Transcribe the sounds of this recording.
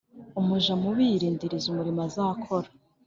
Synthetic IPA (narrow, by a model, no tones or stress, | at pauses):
umuʒamuβiɾiːndiɾizumuɾimazakʰoɾa